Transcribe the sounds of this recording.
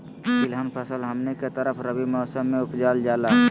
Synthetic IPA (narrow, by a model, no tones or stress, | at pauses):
kɪlɦənpʰəsəlɦəmneket̪əɾəpʰɾəbimɔːsəmːẽʊpd͡ʒaːld͡ʒaːla